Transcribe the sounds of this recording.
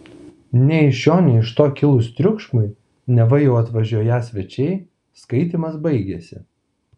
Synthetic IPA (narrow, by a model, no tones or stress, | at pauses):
nʲɛɪʃʲjoːnʲɛɪɪʃt̪oːkʲɪlˠʊst̪ʲɾʲʊkʃmʊɪ | nʲɛʋɐjɛʊɐt̪ʋɐʒʲuɔjæːsʲʋʲɛt͡ʃʲɛɪ | skɐɪt̪ʲiːmɐsbɐɪɡʲɛsʲɪ̰